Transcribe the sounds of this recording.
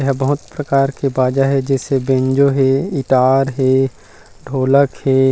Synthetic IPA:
ɦɛbɐɦʊt̪pɾɐkaːɾkebaːd͡ʒaɦɛd͡ʒɛːsebẽːɲd͡ʒoɦɛɪʈaːɾɦɛː | ɖʱoːləkhɛː

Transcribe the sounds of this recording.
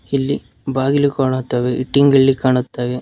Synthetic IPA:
ilːi | baːɡilːikaːɳɐt̪ːaːʋeʔiʈːiŋɡɐlːikaːɳut̪ːaːʋe

